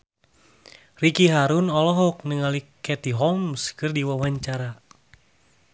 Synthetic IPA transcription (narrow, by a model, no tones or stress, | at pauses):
rikiɦaɾunɔlɔɦɔk̚nəŋalikɛt̪iɦɔmskɨrdiwawaɲt͡ʃaɾa